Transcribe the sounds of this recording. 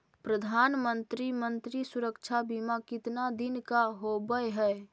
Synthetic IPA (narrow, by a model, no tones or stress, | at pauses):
pɾəd̪ʱanmənt̪ɾimənt̪ɾisuɾəkt͡ʃʰabimakit̪nad̪inkaɦobəjɦɛj